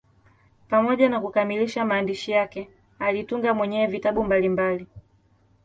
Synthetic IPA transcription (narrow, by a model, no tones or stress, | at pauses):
pamɔʄanakukamiliʃamaːndiʃijakɛ | alituŋɡamwɛɲɛːvitaɓumbalimbali